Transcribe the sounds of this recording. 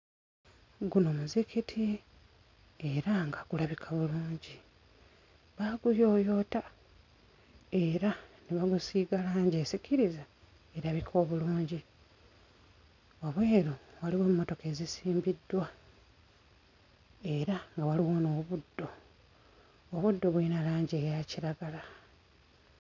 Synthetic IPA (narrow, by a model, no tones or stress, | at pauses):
ɡuno̞ːmuzikitʰi | eɾaŋɡaɡulaβikʰaβuluːɲɟi | βaɡujo̞ːjo̞ta | e̞ɾaniβaɡusiːɡalaːɲɟe̞ːsicʰiɾiza | e̞ɾaβikʰo̞ːβuluːɲɟi | aβwe̞ːɾowaliweːmumo̞to̞ke̞ːzisiːmbidːwa | e̞ɾaŋɡawaliwoːnoːβudːo̞ | βudːo̞βwinalaːɲɟe̞ːjaciɾaɡala